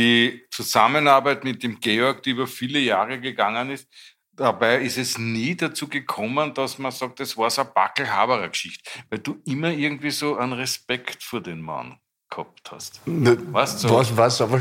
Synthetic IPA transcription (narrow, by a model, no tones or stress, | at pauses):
dit͡suzamənaɐbæɪtmɪt̚d̥emɡ̥eɔɐk̚d̥ɛyːbɐfiːləjaːʁəɡəɡaŋənɪst | d̥abæɪɪstɛsniːdat͡suːɡəkʰɔmənd̥ɐsmɐsɑk̚tɛsv̥aːɐsɐb̥a̰kl̩ɦa̰ːbəʁɐkʃɪçtvæɪld̥uːʔɪmɐɪɐɡŋ̩tv̥iːsoːanʁespɛktfyːɐdenma̰n | khɔ̰p̚tha̰stnvaɐstsavasaf